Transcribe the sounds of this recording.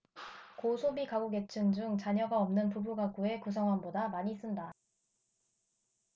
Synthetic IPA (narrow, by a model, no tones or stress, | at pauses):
kosʰobikaɡoɡe̞t͡ɕʰɯnd͡ʑuŋt͡ɕaɲʌɡaʌmnɯnpubuɡaɡue̞kusʰʌŋɦanbodamaɲis͈ɯnda